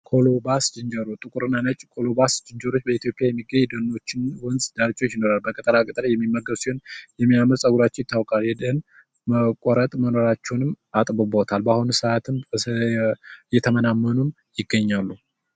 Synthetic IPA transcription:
kʰo̞lobasd͡ʒɨnd͡ʒəɾot̪ʼɨkʼuɾɨnːanət͡ʃʼkʰʼo̞lobasd͡ʒɨnd͡ʒəɾo̞t͡ʃːbəit̪ʰjo̞pʼjajɛmːiɡəɲːd̪ənːo̞t͡ʃːɪnwɔnzd̪aɾt͡ʃʼo̞t͡ʃːjino̞ɾalbəkʼət̪ʼəlakʼət̪ʼəlajɛmːimːəɡːəbsiho̞njɛmːijaməsʼəɡuɾat͡ʃːɛjɪt̪ʰːawkʼaljɛd̪n | məkʷʼɔɾət̪ʼməno̞ɾat͡ʃːɛwnɨm | at̪ʼbɨbot̪ʰalbahunsəat̪ʰɨm | jɛt̪ʰəmənamːənum | jɪɡːəɲːalːu

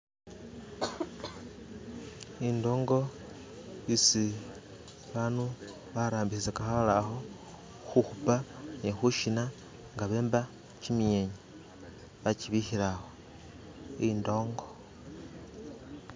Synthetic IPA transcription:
indo̞ːŋɡo̞ | isi | βanu | βaɾaːmbisisekaxalaxo̞ | xuxupanexuʃina | ŋɡaβe̞ːmba | t͡ʃimieɲe | βaciβihiɾaxo̞ | indo̞ːŋɡo̞

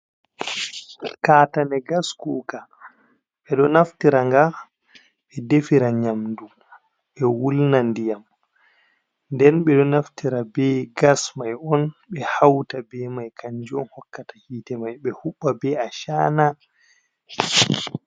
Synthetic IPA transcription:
kaːtanɛɡaskuːka | ɓɛɗɔnaftiɾaŋɡa | ɓɛdefiɾaɲamdum | ɓɛwulnandijam | ndɛnɓɛɗɔnaftiɾabɛɡasmajɔnɓɛhawtabɛmajkʰaɲd͡ʒɔnhɔkːatḁhiːtɛmajɓɛhuɓːabɛaʃaːna

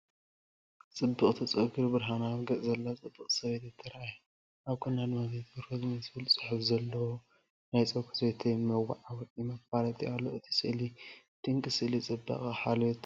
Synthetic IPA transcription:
t͡sʼɨbːɨχʼt̪ʰɐt͡sʼɨʔɡɨɾbɨɾɦanaβɡɐʔzɐlːat͡sʼɨbːɨχʼsɐβet̪jɛt̪ʰːɐɾʔaj | ʔaβkʰɨnːad̪mazet̪bɔɾkʰɐzmɐzbɨlusʼɨħɨfzɐlːɐwo | najt͡sʼɐkʰu̥set̪ʰemɐwa̰ʕawɔt̪ʼimɐfaɾɐt̪ʼialːoɨt̪ʰi̥sʼɨʔli | t̪ʰiɨŋkʼɨsɨʔlit͡sʼɨbːɐ̰χʼaħalot̪

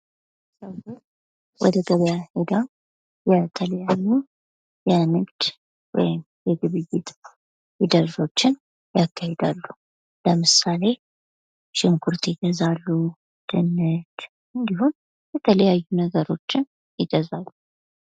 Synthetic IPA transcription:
səwo | wʔɔ̰d̪əɡəβjahed̪am | jɛt̪ʰələjajːu | jɛnɨɡd̪̥ | wɔ̰jɪm | jɛɡɨβɨjːɪt̪ | jɪd̪əɾzo̞t͡ʃːɪn | jakːahed̪alːu | ləmɨsale̞ | ʃɪŋkʰuɾt̪ʰɪɡ̪əzalːu | d̪̥ɨnːɨt̪ | ʔɨnd̪ihun | jɛt̪ʰələjajːunəɡəɾo̞t͡ʃːɪn | jɪɡ̪əzalːu

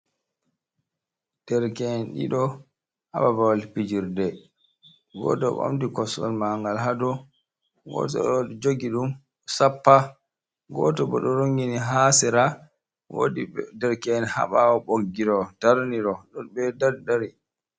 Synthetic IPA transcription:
d̥ɛɾkɛnɗḭɗɔ | ha̰ɓabawalpid͡ʒiɾdɛ | ɡɔ̰tɔɓo̰mdikɔsɔ̰lmaŋɡalɦadɔ | ɡɔ̰ːtɔ̰ɗɔdd͡ʒoɡiɗum | sapːa | ɡɔtɔbɔɗɔɾoŋɡiniɦasɛɾa | wo̰didɛɾkɛnha̰ɓawɔɓoɡːiɾɔtaɾniɾɔɗɔnbɛdaɾdaɾi

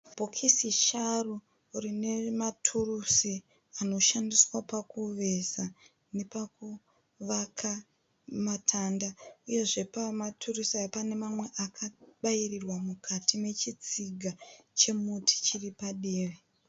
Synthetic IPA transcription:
b̥ʱokʰisiʃaru | rine̞matʰurusi | ano̞ʃandiswapakuʋeza | ne̞paku | ʋakʰa | matʰaːndauje̞ʐe̞pamatʰurusiajepane̞mamwe̞ʔakʰaɓajirirwamukʰatime̞t͡ʃit͡siɡʱat͡ʃe̞mutʰi̥t͡ʃiripaɗiːʋe

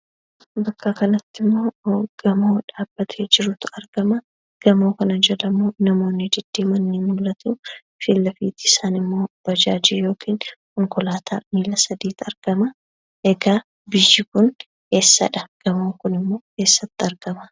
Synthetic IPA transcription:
bɐkːɐkɐnɐt̪ːɪmːo̞ːɡ̥ɐmoːᶑaːb̥ːɐt̪ʰeːd͡ʒɪɾʊt̪ɐɾɡ̥ɐmɐ | ɡ̥ɐmoːkɐnɐd͡ʒɐlɐmunɐmo̞ːnːɪd͡ʒɪd̪̥ːeːmɐnːiːnʊlɐt̪u | fɪlːɐfiːt̪ɪɪsaːnɪmːo̞ːb̥ɐd͡ʒa̰ːd͡ʒɪjo̞ːkʰiːnkʊŋkʊlaːt̪ʰa̰ːmiːlɐsɐd̪iːt̪ɐɾɡ̥ɐmɐ | ʔɛɡaː | bɪjːɪkʊn | he̞ːsːɐ̰ᶑɐɡ̥ɐmoːŋkʊnɪmːo̞ːke̞ːsːɐt̪ːɪɐɾɡ̥ɐmɐ

